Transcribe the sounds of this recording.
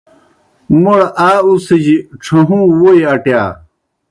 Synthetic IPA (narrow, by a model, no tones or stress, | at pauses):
muɽɐʔaːusɐd͡ʑiʈ͡ʂʰɐɦũːwojɐʈjaː